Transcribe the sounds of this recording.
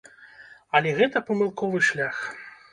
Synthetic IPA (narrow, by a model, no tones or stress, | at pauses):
ɐlʲɛɣɛt̪ɐpɐmɨlˠkɔvɨʂlʲax